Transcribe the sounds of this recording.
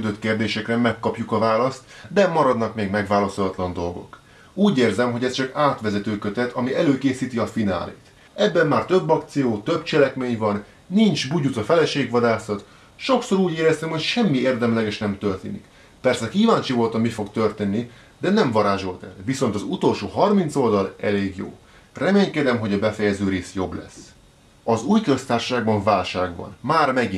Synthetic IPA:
yd̪øt̪keːrd̪eːʃɛkrɛmɛkːɒpjukɒvaːlɒst̪d̪ɛmɒɾɒd̪nɒkmeːɡmɛɡʋaːlɒsolɒt̪lɒnd̪o̞lɡo̞̰k | uːɟeːrzɛmɦo̞ɟɛst͡ʃɒkaːt̪ʋɛzɛt̪øːkø̞t̪ɛt̪ʰɒmiɛløːkeːsiːt̪iɒfina̰ːlḛːt̪ | ɛbːɛmːaːrt̪øbːɒkt̪sijoːt̪ø̞bt͡ʃɛlɛkmeːɲvɒnː | int͡ʃbuɟut̪ɒfɛlɛʃeːɡʋɒd̪aːsɒt̪ | ʃo̞kso̞ɾuːɟeːɾɛst̪ɛmho̞cʃɛmːieːrd̪ɛmlɛɡɛʃnɛmt̪ørt̪ḛːnḭk | pɛrsɛkiːvaːnt͡ʃivo̞lt̪ɒmifo̞kt̪ørt̪eːnːi | d̪ɛnɛɱvɒɾaːʒo̞lt̪ɛ̰lviso̞nt̪ɒzut̪o̞lʃoːɦɒrmint̪so̞ld̪ɒlɛleːɡjo̰ː | rɛmeːɲkɛd̪ɛmɦo̞ɟɒbɛfɛjɛzøːɾeːsjo̞blɛ̰s | ɒzuːjkøst̪aːrʃʃaːɡ̚bɒɱvaːlʃaːɡbɒ̰nmaːrmɛɡi

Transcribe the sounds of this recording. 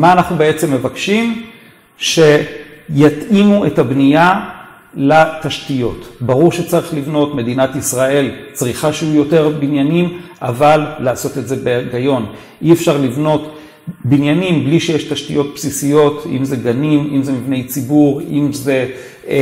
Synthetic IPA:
maːnaχnubeet͡se̞mːe̞vakʃim | ʃe̞jatimuetabnija | lataʃtijo̞tbaʁuʁʃet͡saʁiχlivno̞tme̞dinatisʁae̞lt͡sʁiχaʃeujo̞te̞ʁbinjanimʔavalːaːso̞te̞tze̞beɡajo̞n | ʔiefʃaʁlivno̞t | binjanimbliʃejeʃtaʃtijo̞t̚psisijo̞tḭmze̞ɡanimimzemivne̞jt͡sibuʁimze̞

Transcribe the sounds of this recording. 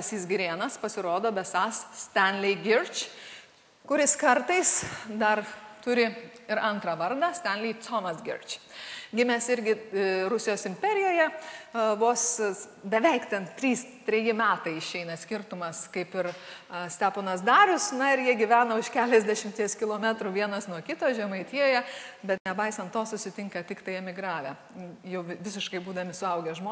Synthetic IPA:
sʲiːsɡɾʲeːnɐspɐsʲɪɾoːd̪oːbʲɛsɑːssʲt̪ʲænʲlʲɪɡʲɪrt͡ʃ | kʊɾʲɪskɐɾt̪ɐɪsd̪ɐrt̪ʊɾʲɪ | ɪɾɐnt̪ɾɑʋɐɾd̪ɐsʲt̪ʲænʲlʲɪːt͡s̪oːmɐsɡʲɪ̰rt͡ʃʲɡʲɪmʲɛsɪɾʲɡʲɪɾʊsʲɪjoːsɪmʲpʲɛɾʲɪjoːjɛʋoːsbʲɛʋʲɛɪkt̪ʲɛnt̪ʲɾʲiːst̪ʲɾʲɛjɪmʲæːt̪ɐɪɪʃʲɛɪnɐsʲkʲɪrt̪ʊmɐskɐɪpɪɾɐsʲt̪ʲæːponɐsd̪ɑːɾʲʊsnɐɪɾjiɛɡʲiʋʲæːnɐʊʃkʲæːlʲɛzʲd̪ʲæʃʲɪmʲt̪ʲiɛskʲɪlˠoːmʲæt̪ɾuʋʲiɛnɐsnuɔkʲɪt̪oːʒʲɛmɐɪt̪ʲijoːjɛbʲɛt̪nʲɛbɐɪsɐnt̪oːsʊsʲɪt̪ʲɪŋkɐt̪ʲɪkt̪ɐɪɛmʲɪɡɾɑːʋʲɛ | jɛʊʋʲʋʲɪs̬ʲɪʃkɐɪbuːd̪ɐmʲɪsʊɐʊɡʲɛʒmoː

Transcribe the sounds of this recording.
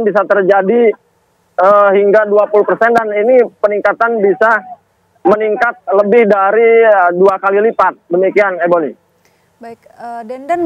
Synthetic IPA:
nbis̬at̪ərd͡ʒadi | əɦiŋɡaduapuluhpərsɛndaninipəniŋkat̪anbisa | məniŋkat̪̚ləbɪhdaɾiəduakalilipat̪̚dəmikianeboni

